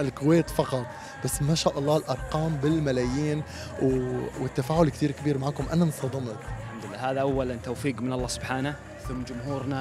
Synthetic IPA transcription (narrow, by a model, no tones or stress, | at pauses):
ɪlkʊweːt̪fɑqɑt̪ˤ | b̥asːmaʃaːʔɑlˤːɑːlʔɑɾˤqɑːmbɪlmalajiːn | wwɪt̪ːafaːʔʊlkt̪iːɾkɪbiːɾmaʕaːkʊmʔanamsˤt̪ɑd̪ˤɪmɑt̪ɪlħamd̪ʊlːaːhaːðaʔawːalant̪awfiːqmɪnɑlˤːɑːsʊbħaːna | θʊmːd͡ʒʊmhuːɾna